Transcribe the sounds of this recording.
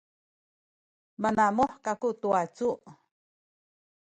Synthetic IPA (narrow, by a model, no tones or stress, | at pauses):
manamoħkakut̪uat͡suʔ